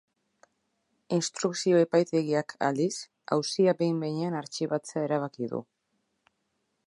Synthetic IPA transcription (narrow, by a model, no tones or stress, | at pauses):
inst̪ɾuksio̞epajt̪e̞ɣiakʰa̰ld̪is | a̰wsiabe̞jmbe̞jɲeanaɾt͡ʃiβat͡seae̞ɾaβ̞akiðṵ